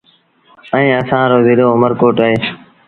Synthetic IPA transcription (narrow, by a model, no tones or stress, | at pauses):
ə̃ĩːəsãːɾoːzɪloːʊməɾkoːʈaːɦeː